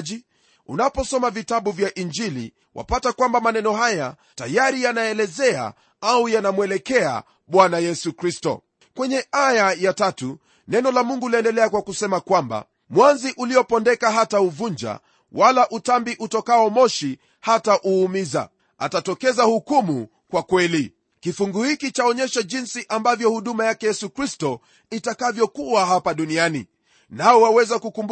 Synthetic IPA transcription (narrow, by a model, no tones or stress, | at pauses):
ʄi | ṵnapɔsɔmavitaɓuvjaʔind͡ʒilḭ | wʔa̰patakwambamanɛnɔhaja | tajaɾijanaɛlɛzɛa̰ | aujanamwɛlɛkɛa̰ | ɓwanajɛsukɾistɔ̰ | kwɛɲɛʔajajatatu | nɛnɔlamuŋɡuliɛndɛlɛakwakusɛmakwamba̰ | mwanziʔuliɔpɔndɛkaɦatauvuɲd͡ʒa̰ | walaʔutambiʔutɔkaɔmɔʃi | hataʔuːmiza̰ | a̰tatɔkɛzahukumu | kwakwɛli | kifuŋɡuhikit͡ʃaɔɲɛʃaʄinsiʔambavjɔhuɗumajakɛjɛsukɾistɔ | itakavjɔkuaɦapaɗunianḭ | naɔwawɛzakukumb